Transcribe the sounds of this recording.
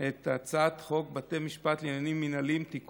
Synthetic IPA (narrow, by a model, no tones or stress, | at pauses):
et̪at͡sat̪χo̞k̚bat̪emiʃpat̪linanimːinalimt̪ik